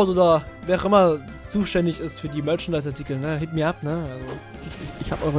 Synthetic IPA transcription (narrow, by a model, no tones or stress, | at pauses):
ʊtoːdɐvɛːaʊxʔɪmɐ | t͡suːʃtɛndɪçɪstfyːɐdiːmœɐt͡ʃndaɪs̬aɐtʰikl̩nəɦeːtmiːɐʔapnəʔalzo | ɪɪçhaːpʔɔʏʁə